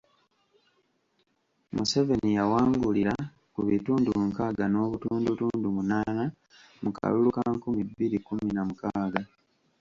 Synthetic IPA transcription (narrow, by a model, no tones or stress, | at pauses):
mṵse̞ve̞nijawaːŋɡuliɾa | kuβituːndumuŋkaːɡano̞ːβutuːndutuːndumunaːna | muka̰lulukaŋkumibːiɾikuminamukaːɡa